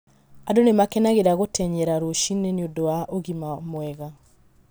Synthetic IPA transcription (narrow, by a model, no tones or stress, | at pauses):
adonemakɛnaɣeɾaɣotɛɲɛɾaɾoʃineneodowaʔoɣimamwɛɣa